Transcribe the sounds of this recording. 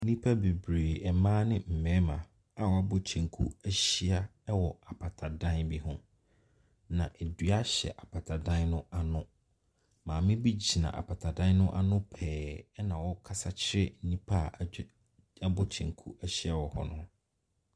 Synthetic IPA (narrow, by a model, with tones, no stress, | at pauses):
n̩˦nĩ˦pʰa˦be˨bɾeː˨ɛ˨mãː˦nɪ̃˦m̩˨mɛ̃˦mã˨ | a˨wɔ˨˦a˦bɔ˦t͡ɕʰɛ̃˨ŋkʰṵ˦æ˦ɕi˦a˦wɔ˨a˨pʰa˨tʰa˨dã˦nbi˦hʊ̃˦ | nã̰˨ʔe˨dɥa˦ɕɛ̰˨ʔa˨pʰa˨tʰa˨dã˦nnʊ̃˦a˨nʊ̃˦ | mãː˨mɪ̃˦bi˦d͡ʑi˨nã̰˨ʔa̰˨pʰa˨tʰa˨dã˦nnʊ̃˦ʔa˦nʊ̃˦pʰɛː˨ɛ˦nã˨wɔ˦kʰa˦sa˦t͡ɕʰɪ˦ɾɪ̰˦n̩˨nĩ˦pʰa˦˨ | a˦bɔ˦t͡ɕʰɛ̰̃˨ŋkʰu˦ʔæ˦ɕi˦a˦wɔ˨hɔ̰˨nʊ̃˦